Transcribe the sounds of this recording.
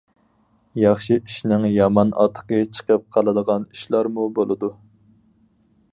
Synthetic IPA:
jɑχʃiiʃnɪŋjɑmɑnʔɑ̰t̪ʰːə̥qət͡ʃʰə̥qʰəp̚qʰɑlˠɨd̪əʁɑniʃlˠɑɾmubolˠɨd̪u

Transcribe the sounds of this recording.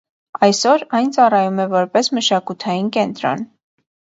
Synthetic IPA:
ɑjsɔɾɑjnt͡sɑrɑjumɛvɔɾpɛsməʃɑkut̪ʰɑjinkɛnt̪ɾɔ̰n

